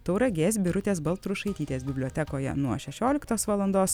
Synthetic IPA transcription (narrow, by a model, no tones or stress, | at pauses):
t̪ɒʊɾɐɡʲeːsʲbʲɪɾʊt̪ʲeːs̬bɐlˠt̪ɾʊʃɐɪt̪ʲiːt̪ʲeːsbʲɪbʲlʲoɔt̪ʲɛkoːjɛ̰nuɔʃʲɛʃʲoːlʲɪkt̪oːsʋɐlˠɐnd̪oːs